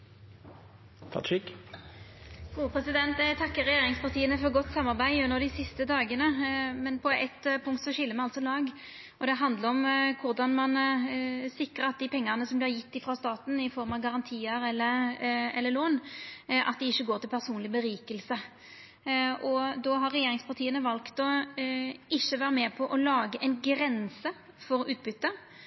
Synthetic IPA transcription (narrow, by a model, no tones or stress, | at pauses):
t̪ʰɑ̰t̪ʃɪk | ɡ̥uːəpʰʁɛsɪd̪ɛnt̪ɛt̪ʰɑkːəʁɛjeːʁɪŋspɑʁt̪ʰiːənəfɔʁɡɔt̪ːsɑmːɑʁbæɪʉnːəʁd̪ɪsɪst̪əd̪ɑːɡənəmɛnpʰɔɛt̪ːpʰʊŋkt̪sɔɕɪlːəmɛɑlt̪sɔlɑːɡ | ɔd̪ɛɦɑnd̪ləɾɔmkʰʊʁd̪ɑnmɑn | sɪkːɾəɾɑt̪̚d̪ɪpʰɛŋːəʁnəsɔmblɪːʁjɪt̪ːɪfɾɑːst̪ɑːt̪n̩ɪfɔɾmɑʋɡɑʁɑnt̪ʰiːəɾɛlːəɛ̰lːəɾloːnʔɑ̰t̪̚d̪ɪɪçːəɡoːɾt̪ɪlpʰæʁsuːnlɪbəɾiːkəlsə | ʔɔd̪ɔɦɑɾːɛjeːɾɪŋspʰɑʁt̪ʰiːənəʋɑlkt̪ɔ | ɪçːəʋæɾmɛːpʰɔʔɔlɑːɡəʔɛnɡɾɛnsə | fɔɾʉːt̪̚bʏt̪ːə